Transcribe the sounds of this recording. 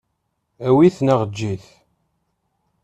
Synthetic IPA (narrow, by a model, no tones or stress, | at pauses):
æwiθnaʁəd͡ʒːiθ